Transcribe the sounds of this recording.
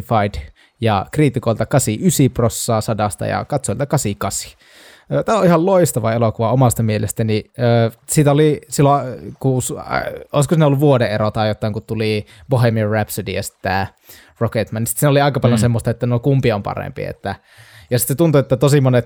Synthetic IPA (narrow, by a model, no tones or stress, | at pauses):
fɑid | jɑ̰kriːt̪ikoilt̪ɑkɑsiysiprosːɑːsɑdɑst̪ɑ̰jɑ̰kɑt̪soˑilt̪ɑkɑsikɑsi̥ | øːt̪æːoihɑlloist̪ɑʋɑelokuʋɑomɑst̪ɑmielest̪æniøːsiːt̪æolisilːokusoˑiskosinolːuʋʋuodeʔeɾot̪ɑːjot̪ːˑɑˑiŋkut̪t̪uli | pohemirræpsydḭjɑsi̥t̪ːæ | roket̪mɑnisit̪siːnoliɑˑikɑpɑljonsemːost̪ɑet̪ːænoˑikumpiompɑ̰rḛmpḭḛt̪ːæ | jɑsit̪ːet̪unt̪uet̪ːæt̪osimonet̪